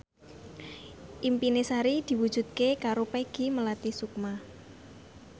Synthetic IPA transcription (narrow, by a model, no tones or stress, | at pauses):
ʔimpinesaɾid̪̥i̤wud̥ʒ̥ṳd̪̚kekaɾopeɡ̥iməlat̪isuk̚ma